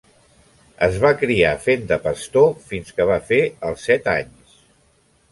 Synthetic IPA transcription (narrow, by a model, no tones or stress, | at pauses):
əzβakɾiafend̪əpəst̪ofinskəβ̞afeəlˠsːɛt̪a̰ɲs